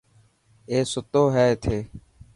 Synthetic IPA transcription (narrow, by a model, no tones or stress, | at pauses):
eːsʊt̪oːɦɛːet̪ʰeː